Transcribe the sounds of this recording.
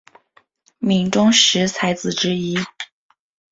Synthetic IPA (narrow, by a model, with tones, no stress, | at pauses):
mi˨˩ŋʈ͡ʂʊ˥ŋʂɻ̩˧˥t͡sʰa˧˥ɪt͡sɹ̩˨˩ʈ͡ʂɻ̩˥i˥